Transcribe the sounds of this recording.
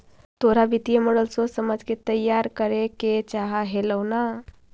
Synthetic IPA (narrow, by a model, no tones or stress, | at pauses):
t̪oɾabit̪ijeməɽəlsosəmad͡zket̪ːəjːaɾkəɾeket͡ʃaɦaɦeləwna